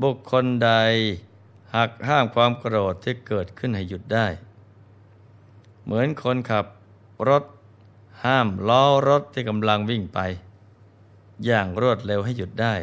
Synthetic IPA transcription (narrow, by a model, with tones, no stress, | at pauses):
bu˨˩kʰːo˧nda˧j | ha˨˩k̚haː˥˩mkʰwaː˧mkɾoː˨˩t̪ʰːiː˥˩kɤː˨˩t̪̚kʰɯ˥˩nɦa˥˩jːu˨˩t̪̚daː˥˩j | mɯ˩˦ənkʰo˧nkʰa˨˩p̚ | ɾo˦˥t̪̚ | haː˥˩mlɔː˦˥ɾo˦˥t̪ʰːiː˥˩ka˧mla˧ŋwi˥˩ŋpa˧j | jaː˨˩ŋɾu˥˩ət̪̚le˧wɦa˥˩jːu˨˩t̪̚daː˥˩j